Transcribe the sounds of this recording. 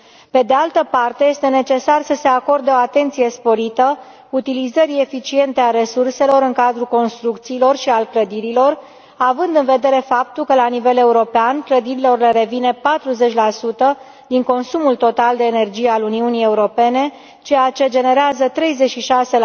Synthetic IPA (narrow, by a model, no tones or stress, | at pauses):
pe̞d̪ealt̪əpart̪e̞je̞st̪e̞ne̞t͡ʃe̞sarsəse̞ako̞rd̪eo̞at̪e̞nt̪sije̞spo̞ɾit̪ə | ut̪ilizəɾie̞fit͡ʃie̞nt̪eaɾe̞surse̞lo̞ɾɨŋkad̪ɾuko̞nst̪ɾuk̚t̪siːlo̞rʃialkləd̪iɾilo̞r | avɨnd̪ɨnve̞d̪e̞ɾe̞fap̚t̪ulkəlanive̞le̞uɾo̞peankləd̪iɾilo̞rle̞ɾe̞vine̞pat̪ɾuze̞t͡ʃʲlasut̪ə | d̪iŋko̞nsumult̪o̞t̪ald̪e̞ːne̞rd͡ʒijealuniunije̞uɾo̞pe̞ne̞ | t͡ʃe̞jat͡ʃe̞d͡ʒe̞ne̞ɾeazət̪ɾe̞jze̞tʃiʃase̞l